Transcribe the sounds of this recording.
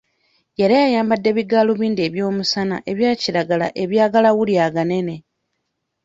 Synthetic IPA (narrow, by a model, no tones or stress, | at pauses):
je̞ɾajajaːmbadːe̞βiɡaːloβiːndieːβjo̞ːmusana̰ʔe̞βjaːciɾaɡala̰ʔe̞βjaːɡalawuljaɡane̞ne̞